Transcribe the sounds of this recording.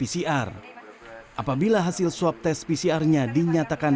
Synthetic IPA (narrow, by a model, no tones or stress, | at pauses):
pisiʔar | ʔapabilaɦasɪlsuap̚t̪ɛspisiarɲadiɲat̪akan